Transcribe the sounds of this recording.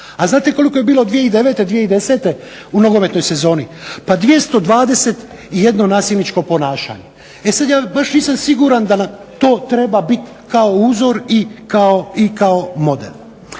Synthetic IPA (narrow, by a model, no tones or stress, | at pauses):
aznaːt̪eko̞liko̞jebiːlod̪ʋijeid̪e̞ʋet̪e̞d̪ʋijeid̪e̞se̞ːt̪e̞ | unoɡo̞me̞t̪no̞jse̞zo̞ːnipad̪ʋije̞st̪o̞d̪ʋaːd̪e̞se̞t̪ | ije̞d̪no̞naːsilnit͡ʃko̞po̞naːʃa̰ːɲe̞ | esad̪jaːbaʃniːsamsiɡuɾand̪ana | t̪o̞ːt̪ɾe̞babit̪ | kaouːzo̞ɾikaoikao̞mo̞d̪ḛl